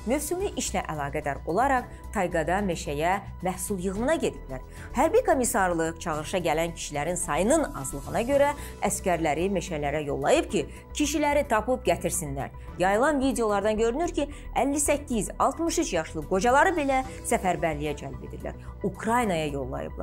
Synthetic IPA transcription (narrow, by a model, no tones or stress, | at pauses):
møfsuliʔiʃlæʔælˠɑːɡæd̪æɾo̞lˠɑɾɑχ | t̪ʰɑjɡɑd̪ɑme̞ʃæjæ | mæhsulˠjɯɣmɯnɑɟe̞d̪iblæ̰ɾ | hæɾbikʰo̞misɑɾlˠɯkt͡ʃʰɑɣɯɾɯʃɑɟælæncʰi̥ʃilæɾinsɑjɯnɯnɑ̰zlˠɯɣɯnɑɟø̞ɾæ | æscʲæɾlæɾime̞ʃælæɾæjo̞̰lˠːɑjɯpcʰi | cʰiʃilæɾit̪ʰɑpɯp̚ɟæt̪ʰiɾsinlæ̰ɾ | jɑjɯlˠɑnvid̪ejo̞lˠɑɾd̪ɑnɟø̞ɾynyɾcʰi | ælːisæcːizɑ̰lˠt̪mɯʃyt͡ʃʰjɑʃlˠɯɡo̞d͡ʒɑlˠɑɾɯbe̞læsæfæɾbæɾlijæd͡ʒælbe̞d̪ḭɾlæ̰ɾ | ukʰɾɑjnɑjɑjo̞̰lˠːɑ̰jɯ̰blˠɑ̰ɾ